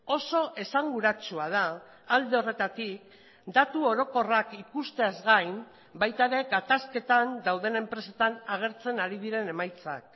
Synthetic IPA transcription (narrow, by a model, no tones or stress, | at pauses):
o̞so̞ʔe̞saŋɡuɾat͡ʃuað̞aː | ld̪e̞o̞re̞t̪at̪ik̚ | d̪at̪uo̞ɾo̞ko̞rakikust̪e̞azɣajm | bajt̪aɾe̞ɡat̪aske̞t̪and̪awð̞e̞ne̞mpɾe̞set̪anaɣ̞e̞ɾt͡se̞naɾiðiɾe̞ne̞majt͡sa̰k̚